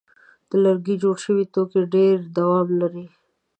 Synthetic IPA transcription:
t̪oləɾɡid͡ʒoːɽʃəwit̪okeɖeːɾd̪ɐwaːmlɐɾe

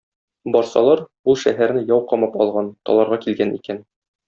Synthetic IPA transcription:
bɒɾsɑlˠɑɾ | ulˠʃæɦæɾnɘjɒwqɒmɑpɒlˠʁɑnt̪ɒ̰lˠɑɾʁɑkilɡænḭkæn

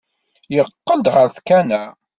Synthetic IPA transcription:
jəqːənd̪ʁəɾθkænæ

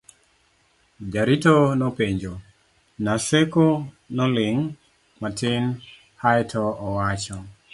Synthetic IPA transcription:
d͡ʒaɾitonɔpeɲd͡ʒo | naseko | nɔlɪŋ | matɪn | hajtʰɔːwat͡ʃɔ

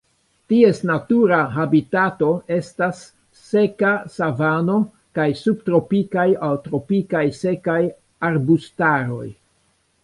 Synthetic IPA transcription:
tie̞snatuɾaɦabitato̞e̞stasː | e̞kasavano̞ | kajsub̚tɾo̞pikajawtɾo̞pikajse̞kaj | aɾbustaɾo̞̰j

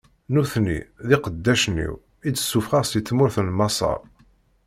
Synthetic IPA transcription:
nuθnḭðiqəd̪ːæʃnḭw | id̪ə̥sːufʁɑʁst̪it͡sːmʊɾθəlmɑsˤɑ̰ʁ

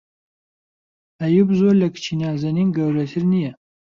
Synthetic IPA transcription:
ɐjubzoɾlɐkʰt͡ʃʰinaːzɐniːnɡɐwɾɐt̪ʰɨɾnijɛ

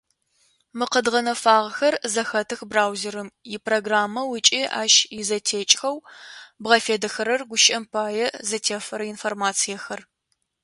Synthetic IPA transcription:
mɨqədʁɐnɐfaːʁxɐrzɐxɐtʰɨxbraːwzeɾɨmjɪpʰroɡraːmːɐwɨt͡ʃʼiʔa̰ːʃjizɐtʰeːt͡ʃʼxɐwbʁɐfeːdɐxɐɾɐrɡʷʊʃɐmpʰaːjɛzɐtʰeːfɐɾɐinformaːt͡sʰijɛxɐr

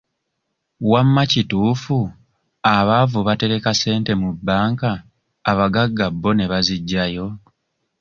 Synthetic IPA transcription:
wamːacituːfu | aβavuβate̞ɾe̞kase̞ːnte̞mubːaːŋkaː | βaɡaɡːabːo̞ne̞βaziɟːajo̞

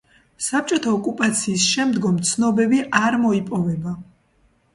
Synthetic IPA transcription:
sap̚ʰt͡ʃʼɔt̪ʰaɔkʼupʼat̪sʰiːsʃɛmd̪ɡɔmt̪sʰnɔbɛbiʔaɾmɔipʼɔvɛba

